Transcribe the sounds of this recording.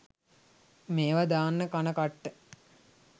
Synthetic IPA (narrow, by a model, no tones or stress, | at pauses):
meːʋad̪aːnːəkanəkaʈːə